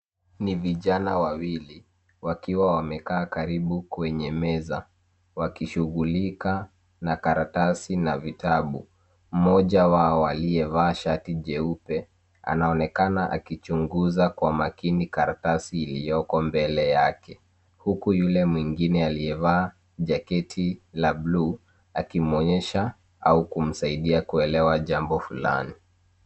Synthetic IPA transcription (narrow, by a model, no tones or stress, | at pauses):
niviʄanawawili | wakiwawamɛkaːkaɾiɓukwɛɲɛmɛza | wakiʃuɣulika | nakaɾatasinavitaɓu | m̩mɔʄawaɔalijɛvaːʃatiʄɛupɛ | a̰naɔnɛkanaʔa̰kit͡ʃuŋɡuzakwamakinikaɾatasiːlijɔkɔmbɛlɛjakɛ | hukujulɛmwiŋɡinɛaliɛvaː | ʄakɛtʰilablu | akim̩ɔɲɛʃa | aukum̩saiɗiakuɛlɛwaʄambɔfula̰ni